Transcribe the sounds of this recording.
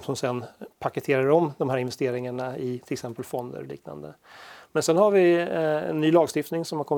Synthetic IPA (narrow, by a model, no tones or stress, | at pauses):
sɔmsɛnːpʰakət̪ʰeːɾaɾɔmd̪ɔmhæːɾɪnvɛst̪eːɾɪŋaɳaɪt̪ʰɪlɛksɛmpəlfɔnd̪ə̰ɾlḭːkna̰nd̪ə̰ | mɛnsɛnhaɾvɪɛ̰nːyːlɑːɡst̪ɪft̪nɪŋsɔmhaɾkʰɔmː